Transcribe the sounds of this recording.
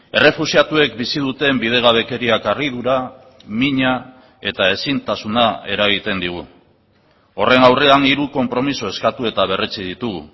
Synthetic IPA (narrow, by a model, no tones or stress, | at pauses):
e̞re̞fusiat̪ue̞k̚bisiðut̪e̞mbiðe̞ɣaβ̞e̞ke̞ɾiakarið̞uɾa | miɲa | e̞t̪ae̞sint̪asunae̞ɾaɣit̪e̞nd̪iɣ̞u | o̞re̞nawre̞aniɾuko̞mpɾo̞miso̞e̞skat̪ue̞t̪aβ̞e̞ret͡sið̞it̪uɣṵ